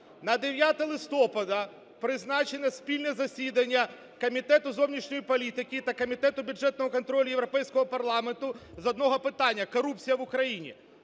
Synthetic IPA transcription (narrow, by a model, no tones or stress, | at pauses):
nɐd̪eʋʲjat̪ɛlˠɪst̪ɔpɐd̪ɐ | pɾɪznɑt͡ʃenɛsʲpʲilʲnɛzɐsʲid̪ɐnʲːɐ | kɐmʲit̪ɛt̪ʊzɔwnʲiʃnʲɔjipɔlʲit̪ɪkʲit̪ɐkɔmʲit̪ɛt̪ʊbʲjʊʐɛt̪nɔmɔkɔnt̪ɾɔlʲʊjewɾɔpɛjsʲkɔɦɔpɐrlˠɑment̪ʊzɐd̪nɔɦɔpɪt̪ɑnʲːɐkɔɾup̚t͡sʲijɐʋʊkɾɐjinʲḭ